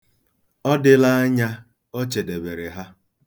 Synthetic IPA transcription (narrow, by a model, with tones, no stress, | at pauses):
ɔ˦dɪ˦la˦a˦ɲa˦ | o˦t͡ʃe˨de˨be˨ɾe˨ɦa˦